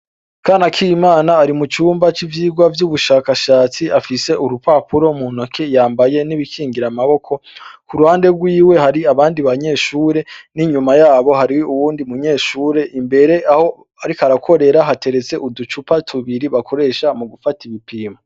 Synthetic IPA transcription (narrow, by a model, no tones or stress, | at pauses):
kaːnakʰijmaːnaːɾimut͡ʃuːmbat͡ʃivjiːɡwavjuβuʃaːkaʃaːt͡siʔafise̞ʔuɾupapuɾo̞munokʰe̞jaːmbaje̞niβikʰiːŋɡiɾamaβo̞kʰo̞kuɾuhaːnde̞ɡwiːwe̞haɾiaβaːndiβaɲe̞ːʃuːɾe̞niɲumajaːβo̞haɾiuβuːndimuɲe̞ːʃuːɾe̞ʔimbe̞ɾe̞aho | aɾikaɾakʰo̞ɾe̞ɾaɦate̞ɾe̞t͡se̞ʔudut͡ʃupatʰuβiɾiβakʰo̞ɾe̞ːʃamuɡufatiβipiːmo